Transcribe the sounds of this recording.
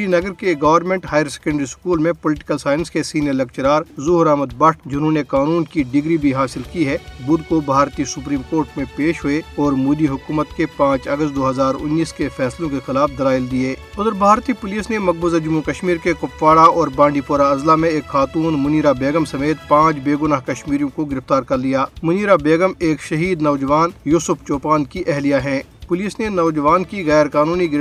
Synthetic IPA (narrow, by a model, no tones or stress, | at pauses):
inɐɡəɾkeɡɐʋəɾnmẽːɳʈɦaːjəɾsɛ̥kə̃ɳɖɾiskuːlmẽpʊlɪʈɪ̥kəlsaːɪnskesiːnijəɾlɐkt͡ʃɾaːɾzʊɦʊɾaːməd̪̚bɐʈd͡ʒɪnɦõnekaːnuːnkiɖɪɡɾibʱiɦaːsɪlkiɦɛbʊd̪kobʱaːɾt̪isʊpɾiːmkoːɾʈmẽpeːʃɦʊeɔːɾmʊːd̪iɦʊkuːmət̪kepãːt͡ʃɐɡəst̪̚d̪oːɦəzaːɾʊ̰nːiːskefɛːslõkexɪlaːfʰd̪ɐlaːɪld̪ieːʊd̪əɾbʱaːɾt̪ipʊliːsnemɐɡ̚bʊzad͡ʒʊmːukɐʃmiːɾkekʊpʋaːɽaɔːɾbãːɳɖipoːɾaɐzlamẽeːkxaːt̪uːnmʊniːɾabeːɡəmsɐmeːt̪̚pãːt͡ʃbeːɡʊnaːɦkɐʃmiːɾijõkoɡɪɾɪft̪aːɾkɐɾlijaːmʊniːɾabeːɡəmeːkʃɐɦiːd̪nɐʋd͡ʒəʋaːnjuːsʊft͡ʃoːpaːnkiʔɛɦlijaɦɛ̃ː | pʊliːsnenɐʋd͡ʒəʋaːnkiɣɛːɾkaːnuːniɡɪɾ